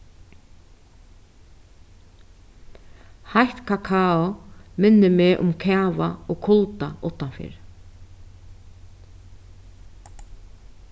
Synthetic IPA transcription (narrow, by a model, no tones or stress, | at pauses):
hajht̪kʰakʰaːɔmɪnːɪmɛːʔʊ̰mkʰɛːva̰ɔɣkʰʊlt̪aʊht̪ːanfɪ̰ːɾ